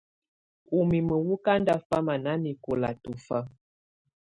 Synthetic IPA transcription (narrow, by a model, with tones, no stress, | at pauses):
u˨mi˨mə˨wu˦ka˦nda˦fa˦ma˨na˦ni˨ko˨la˨tu˨fa˦